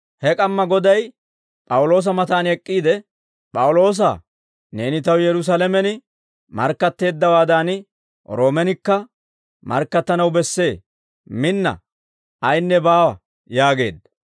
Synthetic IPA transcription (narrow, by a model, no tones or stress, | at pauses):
hɛkʼɐmːɐɡɔd̪ɐj | pʼɐwʊlo̞ːs̬ɐmɐt̪aːnɛkʼːiːd̪ɛ | pʼɐwʊlo̞ːs̬a̰ː | ne̞ːnɪt̪ɐwjɛɾʊs̬alɛmɛnɪ | mɐ̰ɾkːɐt̪ːe̞ːd̪ːɐwaːd̪aːn | ɾo̞ːmɛnɪkːɐ | mɐ̰ɾkːɐt̪ːɐnɐwbɛsːe̞ː | mɪnːɐ̰ | ʔɐjnːɛbaːwɐ | jaːɡe̞̰ːd̪ːɐ̥